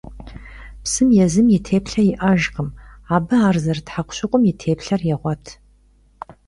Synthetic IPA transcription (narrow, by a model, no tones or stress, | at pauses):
psɨmjɛzɨmjɪtʰeːpɬɐjɪʔɐʒqəmaːbɨaːrzɐrtħaqʷɕɪqʷʼʊmjɪtʰeːpɬɐrjɛʁʷɔtʰ